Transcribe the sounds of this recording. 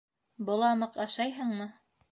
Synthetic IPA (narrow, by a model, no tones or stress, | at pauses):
bɤ̆lˠɑmɤqɑʃɑjɦɤɴmɤ